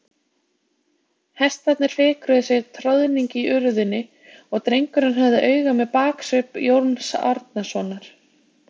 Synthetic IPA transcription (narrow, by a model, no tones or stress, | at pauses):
hɛst̪θat̪nɪɾ̥fɪːkɾʏðɪsjɛɣt̪ʰɾowðniɲcɪʔʏɾʏðʏnːɪ | ɔɣt̪ɾejŋkʏɾanɦœvðɪʔœːɥɣamɛðpaːksʏpjowɾnsɔɾt̪nasɔːnaɾ̥